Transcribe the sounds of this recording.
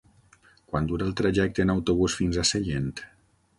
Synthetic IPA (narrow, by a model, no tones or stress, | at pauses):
kwand̪uɾalˠt̪ɾaʒɛk̚t̪əːnawt̪oβusfinzaseʎent̪